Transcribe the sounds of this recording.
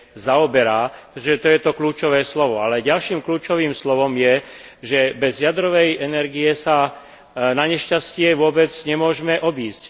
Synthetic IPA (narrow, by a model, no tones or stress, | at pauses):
zaɔbɛɾaːɛt̪ɔʒɛt̪ɔjɛt̪ɔkluːt͡ʃɔʋɛːslɔʋɔalɛɟalʃiːmkluːt͡ʃɔʋiːmslɔʋɔmjɛʒɛbɛzjad̪ɾɔʋɛjɛnɛɾɡijɛsa | naɲɛʃcascɪɛʋʊɔbɛd͡zɲɛmʊɔʒmɛʔɔbiːsc